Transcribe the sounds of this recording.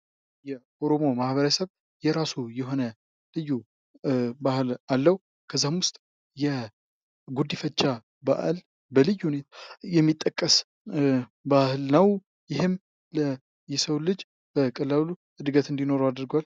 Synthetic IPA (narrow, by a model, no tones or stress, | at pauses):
jɛʔoɾo̞mo̞mahβəɾəsəβ | jɛɾasujɛɦo̞nə | lɨjːu | bahɨlalːəw | kʰəzːamwʊst̪ʼ | jɛ | ɡud̪ːifət͡ʃːa | ba̰ʔl | bəlɨjːunet̪ʰajɛmːit̪ʼːəkʼːəs | bahɨlnəw | jɪhɨm | lə | jɛsəwlɨd͡ʒ | b̥əkʼəlalu | ɨd̪ɨɡət̪ɨnd̪ino̞ɾoad̪ɾɡal